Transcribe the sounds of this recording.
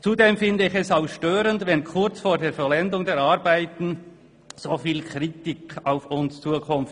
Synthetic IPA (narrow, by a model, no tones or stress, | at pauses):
t͡sudeːmfɪndəɪçɛsaʊxʃtøːɾəndvɛnkʰʊʁt͡sfoːɐdeːɾfɔlɛndʊŋdeːɐɾaɾbaɪtn̩ | z̥oːfiːlkʁitikʰaʊfʊnst͡suːəkʰʊmft